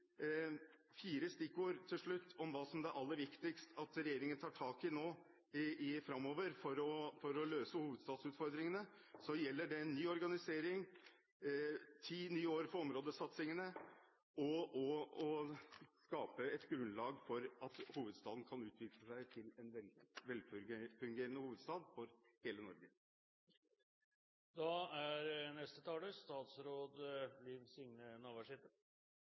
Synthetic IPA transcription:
fiːɾəst̪ɪkːoːɾt̪ʰɪlʂɭʉt̪ːɔmʋɑːsɔmd̪ɛæɾʔɑlːəɾʋɪkt̪ɪkst̪ɑt̪ɾɛjeːɾɪŋənət̪ʰɑːʈʰɑːkɪnoː | ɪfɾɑmːoːʋəɾfɔɾɔfɔɾɔløːsəhuːʋəd̪st̪ɑːd̪sʉːt̪fɔɾd̪ɾɪŋənə | sɔjɛlːəɖɛɛnːyːɔɾɡɑnɪseːɾɪŋ | t̪ʰiːnyːoːɾfɔɾɔmɾoːd̪əsɑt̪sɪŋənə | ɔɔɔskɑːpəɛt̪ɡɾʉnlɑːɡfɔɾɑt̪huːʋəd̪st̪ɑːd̪n̩kʰɑnʉːt̪ʰʋɪkləsæɪt̪ʰɪlɛnʋɛlʋɛlffʉŋɡeːɾənəhuːʋəd̪st̪ɑːd̪fɔɾheːlənɔɾɡə | d̪ɑæɾnɛst̪ət̪ʰɑːləst̪ɑːt̪sɾoːd̪liːʋsɪŋnənɑːʋæʂɪt̪ə

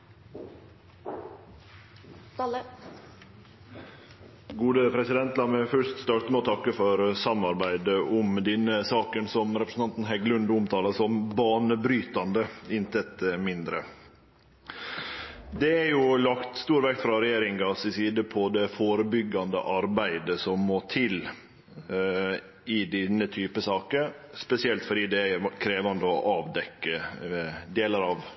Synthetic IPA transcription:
ɡuːd̪əpʰɾɛsɪd̪ɛnt̪lɑːmɛfœʂt̪st̪ɑɾt̪mɛoːt̪ʰɑkːəfɔɾsɑmɑɾbæɪd̪əʊmd̪ɪnəsɑːkənsɔmɾɛpɾəsn̩ɑnt̪n̩hæɡlʉnd̪ʊmt̪ʰɑːlɑsɔmbɑːnəbɾyːt̪ɑnd̪əɪnt̪ʰɛt̪mɪnd̪ɾə̰ | d̪ɛæɾjʊlɑkt̪st̪uːɾʋɛkt̪fɾɑɾɛjeːɾɪŋɡɑsɪsiːd̪əpʰɔd̪ɛfoːɾəbʏɡːɑnd̪ə̰ʔɑɾbæɪd̪əsɔmːoːt̪ʰɪl | ɪd̪ɪnːət̪ʰyːpəsɑːkəɾ | spɛsɪɛlt̪fɔɖiːd̪ɛækʰɾeːʋɑnd̪əɔʔɑːʋd̪ɛkːə | d̪eːləɾɑʋ

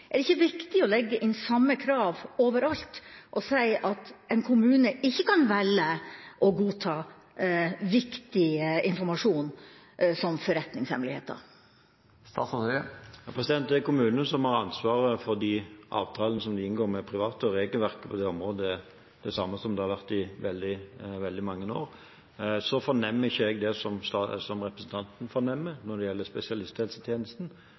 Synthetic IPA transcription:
ʔɛɖ̪ɛɪçːəʋɪkt̪ɪɔlɛɡːəʔɪnsɑmːəkʰɾɑːʋoːʋəɾɑlt̪ʔɔsæɪʔɑt̪ɛɪnkʰʊmʉːnəɪçːəkɑnʋɛlːəʔɔɡuːt̪ʰɑː | ʋɪkt̪ɪəɪnfɔɾmɑʂuːn | sɔmfɔɾɛt̪nɪŋshɛ̰mlɪhḛːt̪d̪ə̰ | st̪ɑːt̪sɑœəjɑpʰɾɛsɪd̪ɛnt̪d̪ɛɛkʊmʉːnənsɔmhɑɾɑnsʋɑːɾəfɔʁd̪iʔɑ̰ːʋt̪ʰɑːlənəsɔmd̪ɪɪnɡoːɾmɛpʰɾɪʋɑːt̪əɔɾeːɡəlʋæʁkə̥pʰɔd̪ɛɔmʁoːd̪ə | d̪̥ɛsɑmːəsɔmd̪ɛhɑɾʋæʁt̪ɪʋɛld̪ɪʋɛld̪ɪmɑŋːəno̰ːɾ | sɔfɔnɛmːɪçəɛɡd̪ɛsɔmst̪ɑsɔmʁɛpɾəsn̩t̪ʰɑnt̪nfɔnɛmːənɔd̪ɛjɛlːəspɛsɪɑlɪst̪ʰɛːlsət̪ʰjeːnəst̪n̩

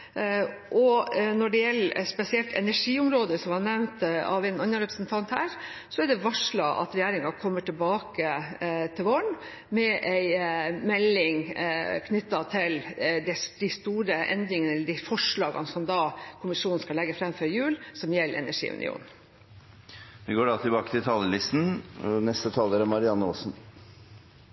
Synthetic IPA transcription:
ʔɔnɔɖɛjɛlːspɛsɪɛlt̪ʰɛ̰næʂiːʊmɾoːd̪əsɔmhɑnɛʋnt̪ɑ̰ʋɛɪnɑnːəɾɛpɾəsnt̪ʰɑnt̪hæːɾsɔɛɖɛʋɑʂɭɑʔɑ̰t̪ɾɛjæːɾɪŋɑkʰɔmːəʈʰɪlbɑːkət̪ʰɪlʋɔɳ | mɛʔæɪmɛlːɪŋkʰnʏt̪ːɑt̪ʰɪld̪ɛd̪̥ɪst̪uːɾəʔɛ̰nd̪ɾɪŋənəɛlːəɖɪfɔʂɭɑːɡɑ̰nsɔmd̪ɑːkʰʊmɪʂuːn̩skɑlɛɡːəfɾɛmfɔɾjʉːlsɔmjɛlːɛ̰næʂḭːʉ̰nʔɪ̰ṵːn | d̪ɛɡoːɖɑt̪ʰɪbɑːkət̪ɪlt̪ʰɑːləlɪst̪n̩nɛst̪ət̪ʰɑːləɾəmɑɾɪɑnːəo̰ːsn

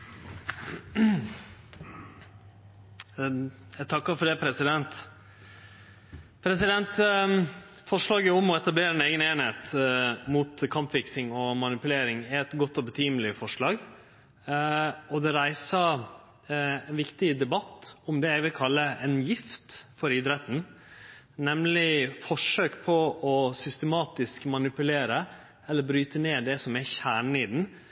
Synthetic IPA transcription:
æt̪ʰɑkːəɾfɔɖɛpʰɾɛsɪd̪ɛnt̪ | pʰɾɛsɪd̪ɛnt̪ | fɔʂɭɑːɡəʊmɔɛt̪ɑbleːɾəɛneːɡəneːnheːt̪muːt̪kʰɑmpfɪksɪŋɔmɑnɪpʉleːɾɪŋɪɛt̪ɡɔt̪ːɔbət̪ʰyːməlɪfɔʂɭɑːɡ | ɔd̪ɛɾæɪsɑ | ɛnʋɪkt̪ɪd̪ɛbɑt̪ːʊmd̪ɛjæʋɪlkʰɑlːəɛnjɪft̪fɔɾɪd̪ɾɛt̪ən̩ | nɛmlɪfɔʂøːkpʰɔɔsʏst̪ɛmɑːt̪ɪskmɑnɪpʉleːɾə | ɛlːəɾbɾyːt̪əneːd̪ɛsɔmɛçæːɳɪd̪n̩

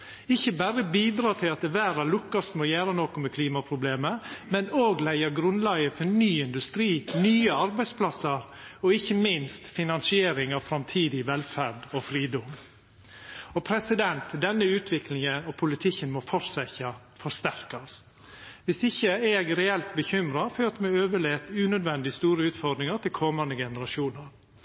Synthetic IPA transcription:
ɪçːəbæɾəbiːd̪ɾɑːt̪ʰɪlɑt̪ɛʋæːɾɑlʊkːɑst̪mɔːjæːɾənɔkʊmɛkʰliːmɑpʰɾʊbleːməmɛnoːɡlæɪəɡɾʉnlɑɡəfɔnyːɪnd̪ʉst̪ɾiːnyːəɑɾbæɪspʰlɑsːəɾ | ɔɪçːəmɪnst̪fɪnɑnsɪeːɾɪŋɑʋfɾɑmt̪ʰiːd̪ɪʋɛlfæɾɖɔfɾiːd̪ɔm | ɔpʰɾɛsɪd̪ɛnt̪d̪ɛnːəʉːt̪ʰʋɪklɪŋənɔpʰʊlɪt̪ʰɪçənmɔfɔɾsæçə | fɔʂt̪æɾkɑs | ʋɪsɪçːəeːɡɾɛɛlt̪bəçʏmɾɑføːɾt̪mɛøːʋəɭeːt̪ʉːnœd̪ʋɛnd̪ɪst̪uːɾəʉːt̪fɔɖ̪ɾɪŋəʈ̪ʰɪlkʰɔmɑnd̪əɡɛnəɾɑʃuːnəɾ

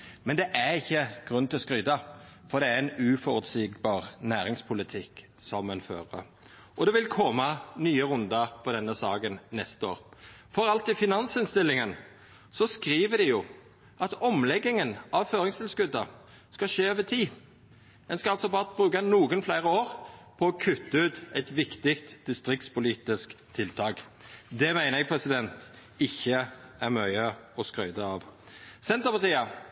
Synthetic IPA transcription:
mɛnd̪ɛʔæʁɪçːəɡ̥ʁʉnt̪ɪlɔskʁyːd̪ɑfɔd̪ɛæɛnʉːfɔɾʉt̪siːɡbɑːʁnæːɾɪŋspʰʊlɪt̪ʰɪk | sɔmɛnfø̰ːʁə̰ | ʔɔd̪ɛʋɪlkʰɔmɑnyːəʁʉnd̪ɑpʰɔd̪ɛnːəsɑːɡənːɛst̪əo̰ːʁfɔɾɑlt̪ɪfɪnɑnsɪnst̪ɪlːɪŋən | sɔskɾiːʋəd̪ɪjʊ | ʔɑt̪ɔmlɛɡːɪŋənɑʋføːɾɪŋst̪ɪlskʉd̪ə | skɑʃeːøːʋət̪ʰiː | d̪ɛnskɑɑlsɔbɑːʁbʁʉːkɑnuːɡənflæɪʁəoːʁpʰɔɔkʰʉt̪ːəʉːt̪ɛt̪ʋɪkt̪ɪkt̪d̪̥ɪst̪ʁɪk̚t̪spʊliːt̪ɪskt̪ʰːɪlt̪ʰɑːk | d̪ɛmæɪnəɛɡ̚pʰʁɛsɪd̪ɛnt̪ | ɪçːəæʁmœʏəɔskʁœʏd̪əɑʋ | sɛnt̪ʁəpɑʁt̪iːə

